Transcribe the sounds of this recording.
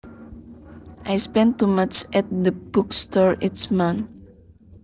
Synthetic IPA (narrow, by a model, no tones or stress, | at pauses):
ʔajspɛ̃nt̪ːumat͡ʃɛt̚d̪əb̥ukstɔɹɪtsmãn